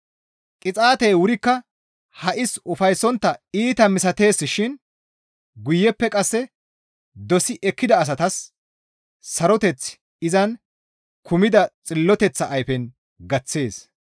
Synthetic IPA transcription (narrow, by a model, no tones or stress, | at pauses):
kʼɪt͡sʼaːt̪ɛjwʊɾɪkːɐ | hɐʔɪsʊfɐjsːɔnt̪ːɐiːt̪ɐmɪsɐt̪e̞ːsːɪʃɪn | ɡʊjːɛpːɛkʼɐsːɛ | d̪ɔsɪʔɛkːɪd̪ɐːs̬ɐt̪ɐs | ɐɾɔt̪ɛt͡sː | ɪzɐn | kʰʊmɪd̪ɐt͡sʼɪlːɔt̪ɛt͡sːɐʔɐjfɛn | ɡɐt͡sːe̞ːs